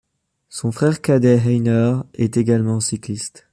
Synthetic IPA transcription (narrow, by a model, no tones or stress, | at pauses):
sɔ̃fχɛʁkad̪ɛɦɛjnœʁɛt̪eɡalmɑ̃siklist̪